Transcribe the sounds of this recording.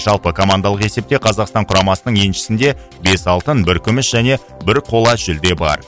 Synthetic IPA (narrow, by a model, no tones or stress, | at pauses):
ʒ̥ɑlˠpəkʰo̞mand̪ɑlˠəqe̞se̞p̚t̪e̞qʰɑzɑqst̪ɑɴqʰʊɾɑmɑsənəɴje̞nʃɪ̥sɪnd̪e̞ | be̞sɑlˠt̪ənbɪɾkʲʰʏmɪsʒ̥æne̞ | bɪɾqʰo̞lˠɑʒ̥ʏld̪e̞bɑ̰ɾ